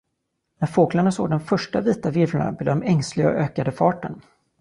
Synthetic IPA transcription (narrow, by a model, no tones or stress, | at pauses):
næɾfoːklaɳasoːɡ̚d̪ɛnfœʂʈaviːt̪avɪɾvaɳa̰bɛd̪ɔmɛŋslɪɡaɔ̰ʔøːkad̪əfɑːʈən